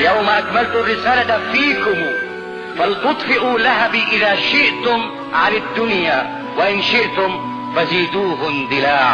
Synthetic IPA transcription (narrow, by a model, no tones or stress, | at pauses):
jawmaʔakmalt̪ʊarːɪsaːlat̪afiːkʊm | falt̪ʊt̪ˤfɪʔuːlaɦabiʔɪðaːʃɪʔt̪ʊm | ʕanad̪ːʊnjaː | waʔɪnʃɪʔt̪ʊm | faziːd̪uːɦʊnd̪ˤɪlaːʕa